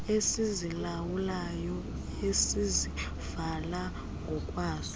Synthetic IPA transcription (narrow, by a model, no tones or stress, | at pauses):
esizilawulajɔ | esizi | vala | ŋɡʱɔkʼwaːzi